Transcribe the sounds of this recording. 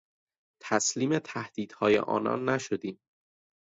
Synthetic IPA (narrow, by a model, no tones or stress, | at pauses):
t̪ʰæsliːme̞t̪ʰæhd̪̥iːd̪̥hɒːjḛʔɒ̰ːnɒ̰ːnːæʃod̪iːm